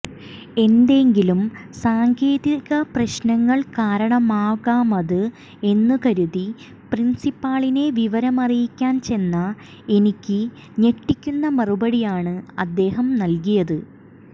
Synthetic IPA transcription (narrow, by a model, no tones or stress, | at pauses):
e̞nd̪e̞ŋɡilumsaːŋɡe̞ːðiɣɐprɐɕnɐŋːɐɭkaːɾɐɳɐmaːɣaːmɐðɨ | e̞nːɨkɐɾuði | prinsipːaːɭine̞ʋiʋɐɾɐmɐrijikʲːaːnt͡ɕe̞nːɐ | e̞nikʲːɨ | ɲeʈːikʲːunːɐmɐrubɐɽijaːɳɨɐd̪ːe̞ːɦɐmnɐlkijɐðɨ